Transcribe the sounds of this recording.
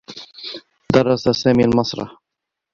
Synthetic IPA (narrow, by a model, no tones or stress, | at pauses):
d̪ɑrˤːɑsasaːmilmɑsˤɾˤɑ̰ħ